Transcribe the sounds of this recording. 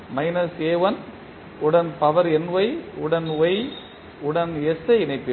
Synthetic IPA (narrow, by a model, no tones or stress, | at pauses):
mɐɪnɐseːʋɐn | ʊɽɐnpɐʋɐɾɛnʋɐɪʊɽɐnʋɐɪ | ʊɽɐnɛsɐɪnɐɪpːɪ